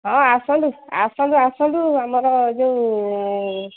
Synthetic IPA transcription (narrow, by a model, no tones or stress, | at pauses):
ɦɔ̃asɔ̃dua̰sɔ̃duasɔ̃duamɔɾɔd͡ʒeũ